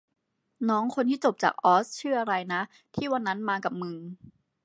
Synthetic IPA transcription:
nɔː˦˥ŋkʰo˧nt̪ʰiː˥˩t͡ɕo˨˩p̚t͡ɕa̰ː˨˩k̚ʔɔː˦˥st͡ɕʰɯː˥˩ɐa˧ɾa˧jna˦˥ʔ | t̪ʰiː˥˩wa˧nːa˦˥nmaː˧ka˨˩p̚mɯ˧ŋ

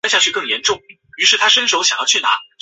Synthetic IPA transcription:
nɕja˥˧t͡ɕʰy˥˧kɤ˥˩ŋjɛ˧˥nʈ͡ʂʊ˥˩ŋ | y˧˥ʂɻ̩˥˩t̪ʰa˥ʂə˥nʂo˧˥ʊɕjɑ˨˩ŋjɑ˥˧ʊt͡ɕʰna̰˧˥

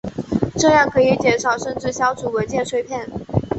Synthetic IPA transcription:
ʈ͡ʂɤ˥˧jɑ˥˩ŋkʰɤ˧˥i˨˥˩t͡ɕjɛ˥˩nʂɑ˨˩ʊʂə˥˧nʈ͡ʂɻ̩˥˩ɕjɑ˧˥ʊt͡sʰu˨˥˩we˧˥nt͡ɕjɛ˥˧˩ʈ͡ʂʰwe˥ɪpʰjɛ˥˩n

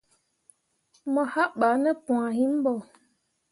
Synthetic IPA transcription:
mɔ˨ha˦ʔɓa˨˦nə˦pũ˨a˨hi˦m̩˦bɔ˨

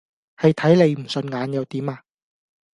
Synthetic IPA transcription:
hɐ˨jt̪ʰɐ˨˥jle˨˧jm̩˨˩sɵ˧nŋaː˨˧njɐ˨˧wt̪iː˨˥maː˧

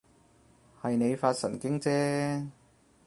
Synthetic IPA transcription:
hɐ˨jne˨˧jfaː˧t̚sɐ̰˨˩nkɪ˥ŋt͡sɛː˥

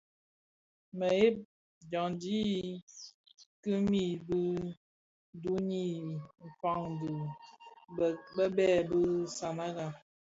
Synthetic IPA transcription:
mə˨e˦p̚ | d͡ʒɔ˨ŋdi˦ | kɨ˦mi˦˨bɨ˦ | du˦ɲi˦˨m̩˨fa˦˨ŋdu˨ | bə˦bɛ˦˨bɨ˦sa˨na˦ɣa˨

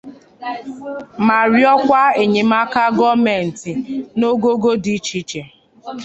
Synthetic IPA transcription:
ma˨ɾjɔ˦kʷa˦e˨ɲe˨ma˦ka˦ɡɔ˦me˨n̩˨ti˨no˦ɡo˦ɡo˦di˦t͡ʃi˦t͡ʃe˨

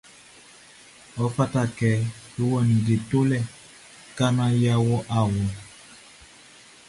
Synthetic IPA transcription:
ɔ˨˦fa˦ta˦˨kɛ˨˦jo˦wɔ˦˨nĩ˨ɡe˨to˦lɛ˦˨ | ka˦nã˦ja˦wɔ˦ʔa˨wɔ˨

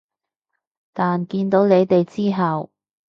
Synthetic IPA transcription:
t̪aː˨nkiː˧nt̪o˨˥wne˨˧jt̪e˨jt͡siː˥ɦɐ˨w

